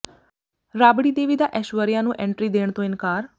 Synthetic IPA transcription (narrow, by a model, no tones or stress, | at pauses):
ɾaːbɽid̪eːʋid̪aʔɛʃuəɾijãnũːʔɛ̃ɳʈɾid̪eːɳ̃t̪oɪnkaːɾ